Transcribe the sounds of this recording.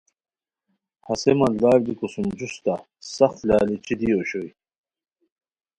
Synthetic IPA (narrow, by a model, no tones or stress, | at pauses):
hɐsemɐld̪aːɾd̪ikosumd͡ʑust̪a | sɐxt̪lʲaːlit͡ɕʰid̪ioːɕoj